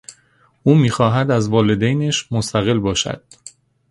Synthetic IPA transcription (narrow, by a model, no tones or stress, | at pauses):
ʔuːmiːxɒːɦæd̪æzvɒːle̞d̪ejneʃmost̪æɣe̞lbɒːʃæ̰d̪̥